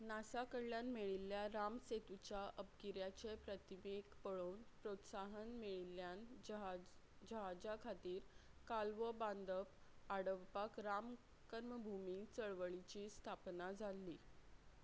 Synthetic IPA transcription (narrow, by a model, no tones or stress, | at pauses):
nasakəɾljanmeɭilːjaɾamset̪ut͡ɕaʔəp̚ɡiɾjat͡ɕepɾət̪imekpəɭoːnpɾot̪saɦənmeɭilːjan | d͡ʑəɦad͡ʑakʰat̪iːɾkalʋəband̪əpaɽəʋpakɾam | kəɾməbʱumiːt͡səɭʋəɭit͡ɕiːst̪ʰapnad͡zʱalːi